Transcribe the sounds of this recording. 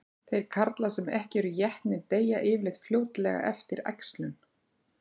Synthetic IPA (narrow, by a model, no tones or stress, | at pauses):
θejɾ̥kʰaɾt̪lasɛmɛhcɪɛɾʏjɛht̪nɪnt̪eːjaʔɪːvlɪðt̪fljoːwt̪lɛɣa̰ʔɛ̰ft̪ɪɾɛ̰kslʏn